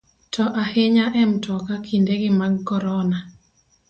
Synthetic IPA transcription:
tʰɔʔaheɲaʔɛmtɔkakʰindeɡɪmaɡkɔɾɔna

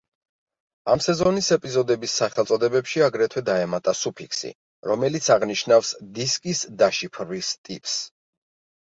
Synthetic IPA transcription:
amsɛzɔnisɛpʼizɔd̪ɛbisːaχɛlt̪sʼɔd̪ɛbɛpʃiaɡɾɛt̪ʰwɛd̪aɛmat̪ʼasupʰiksḭ | ɾɔmɛlit̪sʰaʁniʃnafsd̪iskʼisd̪aʃipʰɾvist̪ʼḭpʼs

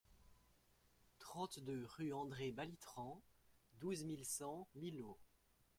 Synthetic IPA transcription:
t̪χɑ̃t̪d̪øʁyɑ̃d̪ʁebalit̪χɑ̃d̪uzmilsɑ̃milo

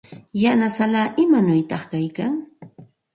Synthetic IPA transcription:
janasalaːʔɪmanʊjt̪ɑχkajkaŋ

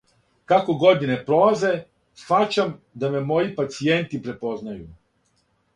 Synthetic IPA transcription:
kako̞ɡo̞d̪ine̞pɾo̞laze̞ | sxat͡ʃam | d̪ame̞mo̞jipat̪sije̞nt̪ipɾe̞po̞znaju

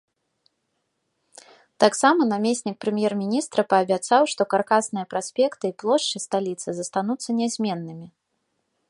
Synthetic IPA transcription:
t̪aksamɐnamʲesʲnʲik̚pɾɨmʲjɛrmʲinʲist̪ɾɐpɐːbʲat̪sawʂt̪ɔkarkasnɨjɐpɾasʲpʲɛkt̪ɨiplˠɔʂt͡ʂɨst̪alʲit̪sɨzɐst̪anut̪sːɐnʲɛzʲmʲɛnːɨmʲi

